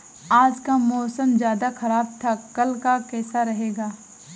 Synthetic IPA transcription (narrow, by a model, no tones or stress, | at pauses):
aːd͡ʒkamɔːsəmzjaːd̪axɐɾaːb̚t̪ʰakɐlkakɛːsaɾɐɦeːɡaː